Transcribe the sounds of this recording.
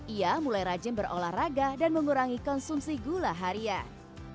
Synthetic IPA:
ʔiamulajɾad͡ʒɪmbərolahraɡadanməŋuɾaŋikɔnsumsiɡulaɦaɾia

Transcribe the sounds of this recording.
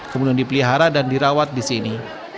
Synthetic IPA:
kəmudiandipəliɦaɾadandiɾawat̪̚disini

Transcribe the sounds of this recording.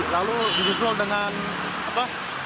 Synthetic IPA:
laludizis̬ualdəŋan | apa

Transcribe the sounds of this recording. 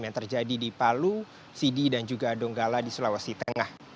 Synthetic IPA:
mjaŋt̪ərd͡ʒadidipalu | sididand͡ʒuɡadɔŋɡaladisulawasit̪əŋah

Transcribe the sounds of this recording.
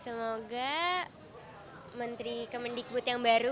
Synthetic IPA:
səmoɡa | mənt̪ɾikəməndik̚bʊt̪jaŋbaɾu

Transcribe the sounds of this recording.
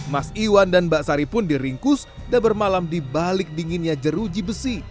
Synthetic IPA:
masiwandanbaʔsaɾipʊndiɾiŋkʊs | dabərmalamdibalɪk̚diŋinɲad͡ʒəɾud͡ʒibəsi

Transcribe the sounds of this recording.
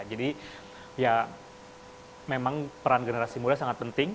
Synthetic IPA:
d͡ʒadi | ja | memaŋpəɾanɡənəɾasimudasaŋat̪̚pənt̪ɪŋ

